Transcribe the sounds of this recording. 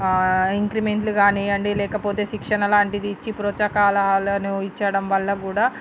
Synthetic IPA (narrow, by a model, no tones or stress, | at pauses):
iŋkɾimeɳʈluɡaːniɐɳɖilɛːkɐpoːt̪e̞ːʃikʂɐnɐlaːɳʈid̪iːt͡ʃːipɾoːt͡ʃɐkaːlɐɦaːlɐnuit͡ʃːɐɽɐmʋɐlːɐkuːɽaː